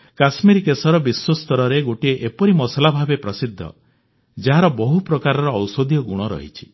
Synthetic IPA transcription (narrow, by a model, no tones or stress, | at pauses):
kasmiɾkesɔɾɔbiswɔst̪ɔɾɔɾeɡoʈieʔepɔɾimɔsalabʱabepɾɔsid̪ʱːɔ̰ | d͡ʒaɦaɾɔbɔɦupɾɔkaɾɔɾɔːwsod̪ʱjɔɡuɽ̃ɔɾɔ̰ɦḭt͡ʃʰi̥